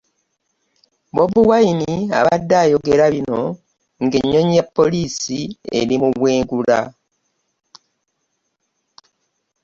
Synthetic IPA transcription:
βo̞βuwajinia̰βadːaːjo̞ɡe̞ɾaβino̞ | ŋɡeɲːo̞ɲepːo̞liːsie̞̰ɾimuβweːŋɡula̰

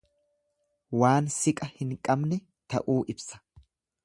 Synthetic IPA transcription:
waːnsɪkʼɐhɪŋkʼɐbnɛ | t̪ɐ̰ʔuːʔɪbsɐ̥

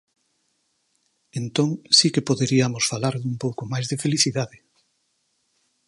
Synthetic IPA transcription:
ent̪oŋsikepoðeɾiamosfalaɾðumpowkomajzðefeliθiðaðɪ

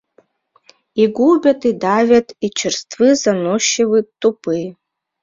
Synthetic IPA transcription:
iɡʷubʲatʰidavʲatʰit͡ʃʰɪrstʰvɨzanoʃewɨtːupʰɨj

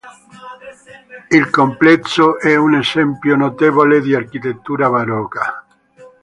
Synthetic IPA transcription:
ilkomplɛt̪soʔɛunesɛmpjonot̪evoled̪iarkit̪et̪ːuːɾaβaɾɔːka

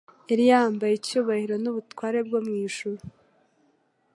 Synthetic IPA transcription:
eɾijaːmbajecuːβahiɾo̞nuβutwaːɾe̞bɡomŋiːʃuɾu

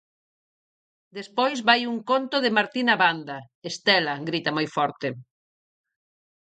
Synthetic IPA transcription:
d̪espojzβajuŋkont̪oðemaɾt̪inaβand̪ɐ | est̪ɛlɐɡɾit̪ɐmojfɔɾt̪e

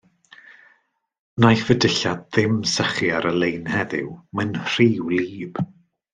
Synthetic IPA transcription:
najfədəɬadðɪmsəχiaɾəlˠejnhɛðɪ̰wmənr̥iːwliːb̥

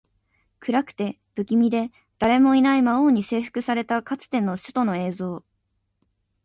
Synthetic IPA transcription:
kɯ̟ɾakɯ̟̥t̪e̞ | b̥ɯ̟kʲimʲid̪e̞ | d̪̥aɾe̞mo̞inaimaoːɲ̟ise̞ːɸɯ̟̥kɯ̟saɾe̞t̪akat͡sɨ̥t̪ẽ̞nːo̞ɕɨ̥t̪o̞no̞e̞ːzo̞ː

